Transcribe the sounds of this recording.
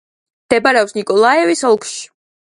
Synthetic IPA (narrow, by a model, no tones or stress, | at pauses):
md̪̥ɛbaɾɛɔpsnikʼɔlˠaɛvisɔlˠkʰʼʃi̥